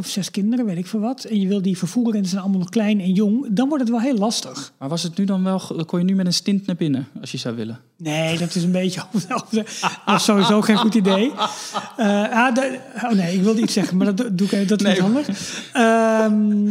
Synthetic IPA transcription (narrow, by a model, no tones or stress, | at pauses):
ɔfsɛskɪndəɾəʋetɪkfɔnʋɑtʰɛnjəʋɪlˠdifərfuːərəɛndisɛjnɑlˠmalˠnɔχklɛjnɛnjoŋdɔnʋɔɹtətʋɛlˠɦeːlˠɑstəxmaɹʋɔsətnydɔnʋɛlˠkʰʊnjənymɛtənstɪntnabɪnəɔsjəzawʋɪ̰lə | neːdɔtɪsənbeːcəovofədɔsoːʋizoːxeːnxutidej | əadownejɪkʋɪlˠdəitsɛɣənmadɔtduɪkevədɔtthɑndəxəm